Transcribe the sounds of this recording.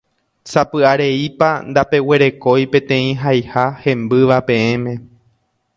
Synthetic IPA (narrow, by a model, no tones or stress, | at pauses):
sapɨaɾe̞ipand̪ape̞we̞ɾe̞ko̞jpẽ̞t̪ẽ̞ĩɦajhahẽ̞mbɨʋapẽ̞ẽmẽ̞